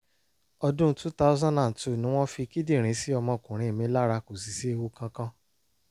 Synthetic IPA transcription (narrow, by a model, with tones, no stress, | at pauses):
ɔ˧dũ˦tu˦ta˦u˦zã˦dã˨n̩˨tu˦˨nĩ˦w̃ɔ̃˦fi˧ki˦dĩ˦˨ɾ̃ĩ˨˦si˦ɔ˧mɔ̃˧˨kũ˨ɾ̃ĩ˨˦˨mĩ˧˦la˦ɾa˧ko˨si˨si˨˦e˧wo˧kã˧kã˦